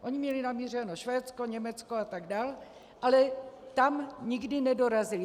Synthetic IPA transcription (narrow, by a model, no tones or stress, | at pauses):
ʔo̞ɲɪmɲɛlɪnamiːrɛnoʃvɛːt͡skoɲɛmɛt͡skoat̪aɡdaːl | ʔalɛt̪amɲɪɡdɪnɛdo̞ɾazɪlɪ